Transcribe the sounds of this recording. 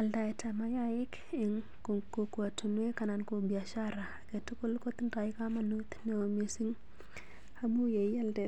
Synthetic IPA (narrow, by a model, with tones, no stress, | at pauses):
a˨lda˨i˨tama˦ja˦jɪ˦k | ɪ˨ŋ | ko˨ko˨ku˨a˨tu˨nwe˦ka˨na˨nko˨bia˨ʃaɾa˨ke˨tʊ˦ku˦lko˦t̪nda˨jɪ˦ka˦ma˦nu˦t̪ne˨wo˨me˨si˦ŋ | a˦mu˦je˨˦a˦lde˨